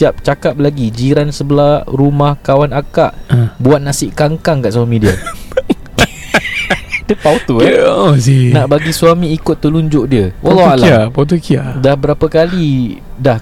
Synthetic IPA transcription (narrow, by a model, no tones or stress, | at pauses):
iap̚t͡ʃakap̚laɡid͡ʒiɾansəbəlahɾumahkawanakaʔbuat̪̚nasɪʔkaŋkaŋkaʔsuamĩdiə | dəpawt̪uɛsinaʔbaɡisuamĩːkʊt̪ːəluɲd͡ʒʊʔdiəwalːalaapawt̪̬ukiadahbəɾapəkali | dah